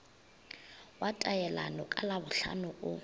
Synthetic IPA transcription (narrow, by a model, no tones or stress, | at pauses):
watʼajɛla̰nɔkʼalabʊɬa̰nʊʔʊ